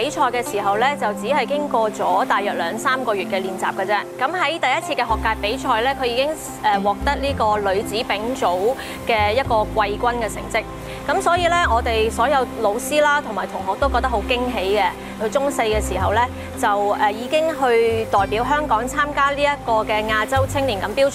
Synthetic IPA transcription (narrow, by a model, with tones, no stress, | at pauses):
pe˨˥jt͡ʃʰɔː˧jkɛː˧siː˨˩ɦɐ˨wlɛː˥t͡sɐ˨wt͡siː˨˥hɐ˨˩jkɪ˥ŋkɔː˧t͡sɔː˨˥t̪aː˨jœː˨t̚lœː˨˧ŋsaː˥mkɔː˧ɥyː˨t̚kɛː˧liː˨nt͡saː˨p̚kɐ˧t͡sɛː˥kɐ˨˥mɦɐ˨˥jt̪ɐ˨jɐ˥t̚t͡sʰiː˧kɛː˧ɦɔː˨kːaː˧j̚pe˨˥jt͡ʃʰɔː˧jlɛː˥kʰɵ˨˧ɥjiː˨˧˥kɪ˥ŋ | ɛː˨˩wɔː˨˩k̚t̪ɐ˥k̚liː˥kɔː˧lɵ˨˧ɥt͡siː˨˥pɪ˨˥ŋt͡ʃo˨˥w | kɛː˧jɐ˥t̚kɔː˧kʷɐ˧jkʷwɐ˥nkɛː˧sɪ̰˨˩ŋt͡sɪ˥k̚ | kːɐ˨˥msɔː˨˥jiː˧lɛː˥ŋɔː˨˧t̪e˨jsɔː˨˥jɐ˨˧wlo˨˧wsiː˥laː˥t̪ʰʊ˨˩maː˨˩jt̪ʰʊ˨˩ŋɦɔː˨k̚t̪o˥wkɔ˧t̪ɐ˥ho˨˥wkɪ˥ŋɦe˨˥jkɛ˧ | kʰɵ˨˧ɥt͡sʊ˥ŋse˧jkɛː˧siː˨˩ɦɐ˨wlɛː˥ | t͡sɐ˨wɛ˨jiː˨˧kɪ˥ŋɦɵ˧ɥt̪ɔː˨jpi˨˥wɦœː˥ŋkɔː˨˥ŋt͡sʰaː˥mkaː˥liː˥jɐ˥t̚kɔː˧kɛː˧ŋaː˧t͡sɐ˥wt͡sʰɪ˥ŋliː˨˩nkɐ˨˧˥mpiː˥w